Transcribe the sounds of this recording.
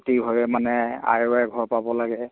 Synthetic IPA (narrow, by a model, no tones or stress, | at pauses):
tiɦɔjɛmanɛa̰jɛɡʱɔɹpabɔlaɡɛ